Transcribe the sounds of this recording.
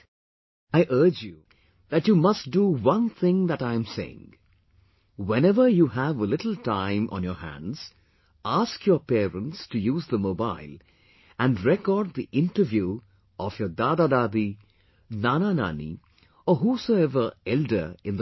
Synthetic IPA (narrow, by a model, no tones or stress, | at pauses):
aɪʔɜ˞d͡ʒju | ðætjuːmʌst̚duwʌ̃nθɪ̃ŋðætãɪ̃msḛɪɪ̰̃ŋ | wɛ̃nɛvə˞juːɦævəlɪtl̩ˠtʰãɪ̃mʔə̰̃njəhæ̰̃ndz̥ | ʔaskʰjɔpɛːɹə̃ntstɨjuːzðəmoba̰ɪlˠ | æ̃nɹɛkɔɖ̪̚ðiʔɪ̃nʈəvju | ʔɔfjɔd̪ad̪ad̪aːd̪i | nanana̰nḭ | ɔɦusoʊɛvə˞ɛldə˞ɪ̃nðə